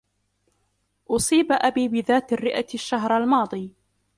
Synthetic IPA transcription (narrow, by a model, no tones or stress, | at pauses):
ʔʊsˤiːbaʔabiːbɪðaːt̪rːɪʔaʃːaɦɾalmɑːd̪ˤiː